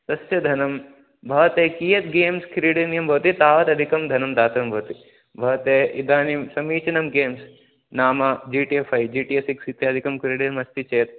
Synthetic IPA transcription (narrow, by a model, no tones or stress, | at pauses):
t̪ɐsjɐd̪ʱɐnɐm | bʱɐʋɐt̪eːkijɐt̪̚ɡeːmskʰɾiːɽinjɐmbʱɐʋɐt̪it̪aːʋɐt̪ɐd̪ʱikɐmd̪ʱɐnɐmd̪aːt̪ɐɐmbʱɐʋɐt̪i | bʱɐʋɐt̪eːid̪aːnimsɐmiːt͡ʃɐnɐmɡeːms | naːmɐd͡ʒiːʈiefʰɐjd͡ʒiːʈijesiksit̪jɐːd̪ʱikɐmkɾiːɽiɐmɐst̪it͡ʃɐjɐt̪̚